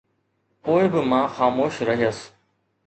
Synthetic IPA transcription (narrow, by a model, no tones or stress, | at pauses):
poːɪbɪmãːxaːmoːʃɾɐɦijəs